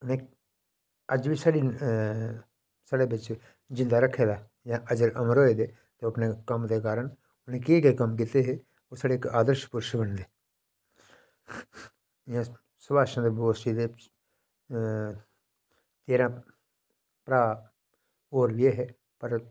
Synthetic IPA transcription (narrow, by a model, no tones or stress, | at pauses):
ʊnɦẽ | ɐd͡ʒbʱisɐɽi | səɽebɪt͡ʃ | d͡ʒɪ̃nd̪aɾɐkʰed̪aː | jãʔɐɡəɾɐmɾoːed̪eː | t̪oɐpnekɐmt̪ekaːɾəɳ | ʊnɦẽkekekɐmk̬iːt̪eɦɛ | oːsəɽekaːd̪əɾʃə̥pʊɾʃbəɽ̃d̪eː | jã | sʊbaːʃənd̪ɾboːsʈid̪e | t̪eːɾã | pɾaː | oːɾʋeɦɛ | pəɾ